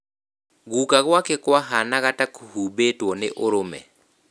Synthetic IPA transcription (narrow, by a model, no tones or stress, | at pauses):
ɡukaɣwakɛkwaɦanaɣatakhubetwɔnɪ̰ʔʊɾʊmɛ̰